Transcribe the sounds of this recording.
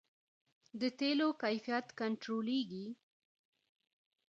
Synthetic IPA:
d̪ət̪elokajfijat̪kaɳʈɾoleɡi

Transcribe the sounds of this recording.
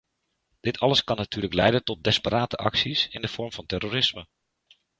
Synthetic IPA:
d̥ɪtʰɑləskɑnːatyːrləklɛjdəntɔt̚dɪspəɾaːtəʔɑ̰ksisɪ̰ndəfɔɹmfɑntɛrorɪsmə

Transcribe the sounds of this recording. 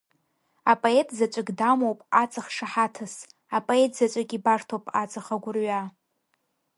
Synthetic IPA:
apʼoe̞tʰzat͡ʃʷʼɨɡdamowpʼat͡sʼaχʂaħatʰɨs | apʼoe̞tʰzat͡ʃʷʼakʲʼibartʰowpʼa̰t͡sʼaχaɡʷʊrɥa

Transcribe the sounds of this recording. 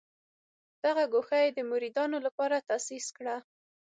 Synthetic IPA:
d̪̥aɣaɡoxajed̪əmʊɾid̪ɑnolapɑɾat̪asiskɽa

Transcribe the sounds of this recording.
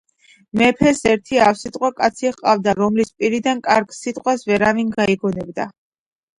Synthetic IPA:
mɛpʰɛsɛɾt̪ʰiafsit̪ʼqʼwakʼat̪sʰiʁqʼavd̪aɾɔmlispʼiɾid̪ankʼaɾɡ̥sit̪ʼqʼwasvɛɾavinɡaiɡɔnɛbd̪a

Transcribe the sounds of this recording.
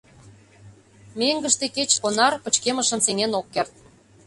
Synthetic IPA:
meŋɡəʃt̪eket͡ɕkonɑrpə̆t͡ɕkemə̆ʃə̆nseŋenokːert̪̚

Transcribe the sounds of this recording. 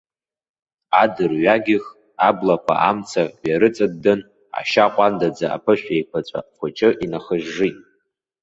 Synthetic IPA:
adɨrɥaɡʲɪχ | ablakʷʰa̰ʔamt͡sʰaaɾɨt͡sʼɨdːɨn | a̰ʃaqʷʼandad͡zaa̰pʰɨʃᶣʷejpʷʰat͡ʃʷʼa̰χʷʊt͡ʃʰʼɪʔinaχəʒːɨtʼ

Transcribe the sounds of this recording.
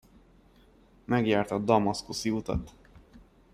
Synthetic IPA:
mɛɡjaːrt̪ɒd̪ɒmɒskusiut̪ɒ̰t̪

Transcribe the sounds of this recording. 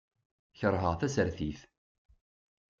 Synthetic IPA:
çəɾˤɦəʁθæsəɾθiθ

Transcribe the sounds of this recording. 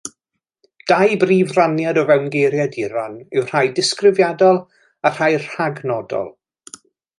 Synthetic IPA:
d̥ajbriːvranjadɔvɛwnɡejɾjadiɾanɪwr̥ajdɪskrɪvjadɔlˠ | ar̥hajr̥haɡnɔdɔ̰lˠ

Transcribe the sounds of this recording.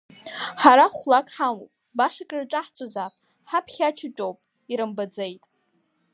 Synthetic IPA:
ħaɾaχʷlakʼħamopʼbaʂakʼɨrʈ͡ʂʼaħt͡sʰʼozapʼ | ħapʰχʲat͡ʃʰɪt͡pʷʼowpʼ | iɾɨmbad͡zejtʼ

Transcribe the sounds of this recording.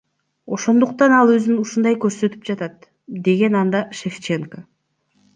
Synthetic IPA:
o̞ʃo̞nd̪uqt̪ɑnɑlˠø̞zynuʃund̪ɑjkøɾsø̞t̪y̥p̚d͡ʒɑt̪ɑt̪ | d̪e̞ɡe̞nɑnd̪ɑʃeft͡ʃeŋko

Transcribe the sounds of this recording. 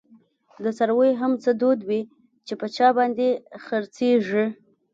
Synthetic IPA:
d̪əsaɾwojɦamt͡səd̪od̪wi | t͡ʃepət͡ʃɑbɑnd̪exəɾt͡seʐi

